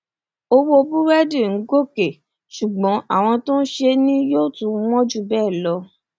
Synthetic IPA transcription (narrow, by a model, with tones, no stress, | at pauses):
o˧wo˧bu˦ɾɛ˦di˦˨ŋ̩˨˦ɡo˦˨ke˨ | ʃu˨ɡ͡bɔ̃˨˦a˦˨w̃ɔ̃˧tõ˦n̩˦ʃe˧nĩ˦joː˦˨tũ˨˦mɔ̃˦d͡ʒu˦˨bɛː˦˨lɔ˧